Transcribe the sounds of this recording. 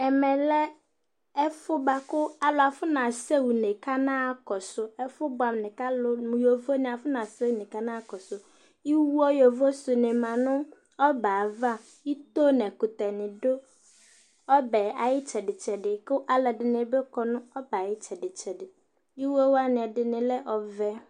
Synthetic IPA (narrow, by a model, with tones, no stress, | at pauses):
ɛ˨mɛ̃˨lɛ˦ | ɛ˦fʊ˦ba˨kʊ˦a˨lʊ˨a˨fʊ˦nã˨sɛ˦wu˨nɪ̃˨kʰa˦nãː˦˨kɔ˨sʊ˦ɛ˦fʊ˦bʊ˨˦a˨mnɪ̃˨ka˦lʊ˦m̃˨jo˨vo˦nɪ̃˨a˨fʊ˦nã˨sɛ˦wu˨nɪ̃˨ka˦nãː˦kɔ˨sʊ˨ | i˦wu˦ɔ˦jɔ˨vo˦sʊ˨nɪ̃˨mã˨nʊ̃˦ | ɔ˦baː˨va˦˨ | i˦t̪o˦nɛ̃˨kʊ˨t̪ɛ˨nɪ̃˨dʊ˦ | ɔ˦bɛ˨a˨jɪ˦t͡ʃʰɛ˨dɪ˨t͡ʃʰɛ˨dɪ˨kʊ˦ʔa˨lɛ˨dɪ˨nɪ̃˨˦bɛ˦kɔ˨nʊ̃˦ɔ˦ba˨jɪ˦t͡ʃʰɛ˨dɪ˨t͡ʃʰɛ˨dɪ˨ | i˦wɔ˦wa˦nɪ̃˨ɛ˨dɪ˨nɪ̃˨lɛ˦ʔɔ˨vɛ˦